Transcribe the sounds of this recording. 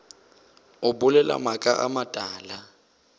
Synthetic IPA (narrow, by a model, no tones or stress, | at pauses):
ʊbʊlɛla̰makʼa̰ʔa̰matʼaːla